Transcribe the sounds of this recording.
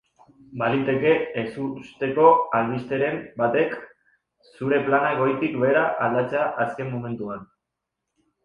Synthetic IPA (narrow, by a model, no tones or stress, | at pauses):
balit̪e̞ke̞ːsust̪e̞ko̞alβist̪e̞ɾe̞mbat̪e̞k | suɾe̞planaeɣ̞o̞jt̪ikbe̞ːɾaʔald̪at͡seaʔaske̞mːome̞nt̪uan